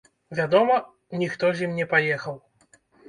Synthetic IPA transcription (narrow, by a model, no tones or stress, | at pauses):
vʲad̪ɔmɐ | nʲixt̪ɔzʲimnʲɛpajɛxɐw